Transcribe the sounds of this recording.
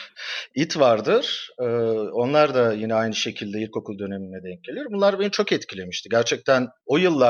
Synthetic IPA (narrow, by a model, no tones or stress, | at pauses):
it̪ʰvaɾd̪ɯɾ̥ɯːo̞nlˠaɾd̪ajinɛajnɯʃe̞cʰilʲd̪ɛiɾʲko̞kʰulˠd̪ø̞ne̞minːɛd̪ɛɲcelʲijoɾbunlˠaɾbenit͡ʃʰo̞kɛt̪cʰilʲe̞miʃt̪ʰiɟæɾt͡ʃʰɛc̚t̪ʰæno̞jɯlˠːa